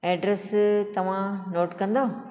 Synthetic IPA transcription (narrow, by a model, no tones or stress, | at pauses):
ɛːɖɾest̪ɐʋ̤ãnoːʈkɐ̃nd̪o